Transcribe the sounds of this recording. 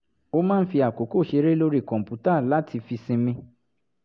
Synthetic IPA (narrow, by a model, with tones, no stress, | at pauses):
o˧mãː˦n̩˦fi˧a˨ko˨˦ko˦˨ʃe˧ɾe˦lo˧ɾi˦˨kɔ̃˨m̩˨pu˨˦ta˦˨la˦tʰi˧fi˧sĩ˧mĩ˧